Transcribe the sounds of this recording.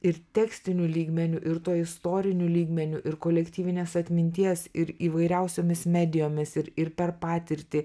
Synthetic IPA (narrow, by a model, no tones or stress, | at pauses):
ɪɾt̪ʲɛːksʲt̪ʲɪnʲulʲiːɡmʲɛnʲuʔɪɾt̪oːɪst̪oːɾʲɪnʲuːlʲiːɡmʲɛnʲuʔɪɾkoːlʲɛkt̪ʲiːʋʲɪnʲeːsɐt̪ʲmʲɪnʲt̪ʲiɛsɪɾiːʋɐɪɾʲɛʊsʲoːmʲɪsmʲæːd̪ʲɪjoːmʲɪsɪɾɪɾpʲɛɾpɑːt̪ʲɪɾʲt̪ʲɪ